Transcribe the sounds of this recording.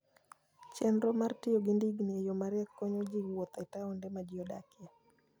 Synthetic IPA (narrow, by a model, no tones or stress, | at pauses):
t͡ʃɛnɾɔmartɪɔɡindiɡnijɔmaɾɪakːɔɲɔd͡ʒiɡwɔt̪ataɔndɛmad͡ʒiɔdakɪɛ